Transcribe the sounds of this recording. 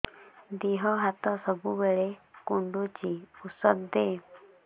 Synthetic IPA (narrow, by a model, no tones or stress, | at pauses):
d̪iɦɔɦat̪ɔsəbubeɭekuɳɖut͡ɕiusəd̪d̪e